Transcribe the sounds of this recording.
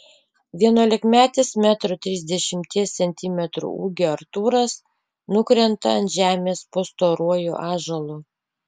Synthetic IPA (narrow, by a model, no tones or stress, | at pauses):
ʋʲiɛnuɔlʲɪkmʲæːt̪ʲɪsmʲæːt̪ɾot̪ʲɾʲɪzʲd̪ʲɛʃʲɪmʲt̪ʲiɛsʲsʲɛnʲt̪ʲɪmʲɛt̪ɾṵːṵːɡʲoɐɾt̪uːɾɐs | nʊkɾʲɛnt̪ɐ̰ɐnt̪ʒʲæːmʲeːspoːst̪oːɾuɔjuʔɑːʒɐlˠu